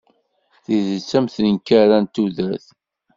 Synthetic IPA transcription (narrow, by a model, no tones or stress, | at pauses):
θizət͡sːæmθənəŋkːæɾænt̪uðæθ